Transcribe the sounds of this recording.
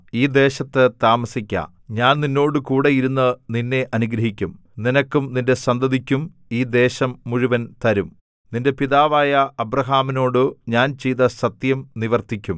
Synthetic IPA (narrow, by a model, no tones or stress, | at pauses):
iːd̪e̞ːɕɐt̪ːɨt̪aːmɐsikʲːɐ̰ | ɲaːnninːo̞ːɽɨkuːɽe̞jiɾunːɐninːe̞ʔɐnuɡɾɐɦikʲːum | ninɐkːumninde̞sɐnd̪ɐðikʲːum | iːd̪e̞ːɕɐmːuɻuʋɐnt̪ɐɾum | ninde̞piðaːʋaːjɐʔɐbrɐɦaːmino̞ːɽɨɲaːnt͡ɕejt̪ɐsɐt̪jɐmniʋɐrt̪ikʲːum